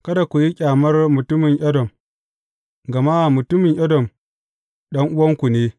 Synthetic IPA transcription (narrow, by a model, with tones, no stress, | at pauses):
kɐ˦da˨kʷu˨ji˦kʲʼaː˨mɐ˦rmʊ˨tʊ˦mɪ˨ŋʔɐ˦dɔ˨m | ɡɐ˨maː˦˨mʊ˨tʊ˦mɪ˨ɲʔɐ˦dɔ˨m | ɗɐ˦ŋʔʊ˦wɐ˦ŋkʷu˨neː˦